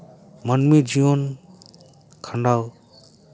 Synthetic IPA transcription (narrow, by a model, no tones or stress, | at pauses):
manmid͡ʒijɔn | kʰandaw